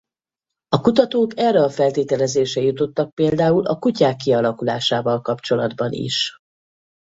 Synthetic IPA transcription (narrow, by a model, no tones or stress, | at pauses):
ɒkut̪ɒt̪oːkɛrːɛɒfɛlt̪eːt̪ɛlɛzeːʃɛjut̪o̞t̪ːɒk̚peːld̪aːulʔɒkucaːkːiɒlɒkulaːʃaːvɒlkɒpt͡ʃo̞lɒd̪bɒnḭʃ